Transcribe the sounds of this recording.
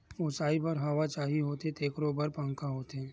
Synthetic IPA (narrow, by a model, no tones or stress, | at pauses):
ʊsaːipɐɾɦaʋat͡ʃaːɦiɦoːt̪et̪eːkɾobɐɾpə̃ŋkaɦoːt̪eɦɛ̃ː